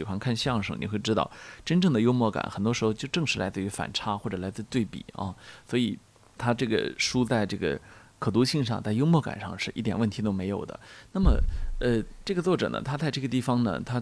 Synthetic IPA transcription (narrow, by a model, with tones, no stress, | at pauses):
i˨˩xwa˧˥nkʰa˥˧nɕɑ˥˩ŋʂɤ̰˧˩ŋnḭ˨˩xwe˥˩ɪʈ͡ʂɻ̩˥t̪ɑ˥˩ʊʈ͡ʂə˥nʈ͡ʂɤ˥˩ŋd̪ə˩jo˥ʊmwɔ˥˩ka̰˨˩nxə˨˩nt̪wɔ˥ʂɻxo˧ʊt͡ɕjo˥˧ʊʈ͡ʂɤ˥˧ŋʂɻ̩˥lʔa˧˥ɪt͡sɹ̩˥˩y˧˥fa̰˨˩nʈ͡ʂʰa˥xwɔ˥˩ʈ͡ʂɤ˨˩la˧˥ɪt͡sɹ̩˥˧t̪we˥˩ɪpḭ˨˩˦ɐ̰˧swɔ˧˥i˨˩ | t̪ʰa˥ʈ͡ʂɤ˥˩ɡə̰˩ʂu˥t͡sa˥˧ɪʈ͡ʂɤ˥˩ɡə̰˩ | kʰɤ˨˩t̪̬u˧˥ɕi˥˧ŋʂɑ̰˥˧ŋt͡sa˥˩ɪjo˥ʊmwɔ˥˩ka̰˨˩nʂɑ̰˥˧ŋʂɻ̩˥˧ʔi˥˩jɛ˨˩nwə˥˩nt̪ʰi˧˥t̪o˥ʊme˧˥ɪjo˨˩ʊd̪ə̰˦na˥˩mə̰˩ə˧ʈ͡ʂɤ˥˩ɡə˩t͡swɔ˥˩ʈ͡ʂɤ̰˨˩nə̰˦t̪ʰa˥t͡sa˥˧ɪʈ͡ʂɤ˥˩ɡə˩t̪i˥˩fɑ˧˩ŋnə̰˨t̪ʰa˥